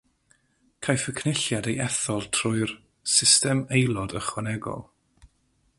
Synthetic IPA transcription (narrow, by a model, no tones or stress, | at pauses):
kʰajfəkʰnɪɬjadejɛθɔlˠtʰrʊɨr | sɪstɛmejlˠɔdəχwɛnɛɡɔ̰lˠ